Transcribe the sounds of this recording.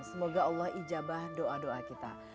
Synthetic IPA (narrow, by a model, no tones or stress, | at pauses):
səmoɡaɑlːɔhid͡ʒabahdoʔadoʔakit̪a̰